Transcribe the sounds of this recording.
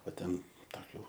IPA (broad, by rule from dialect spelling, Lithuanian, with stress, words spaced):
oː ˈtʲɛn tɐˈkʲuː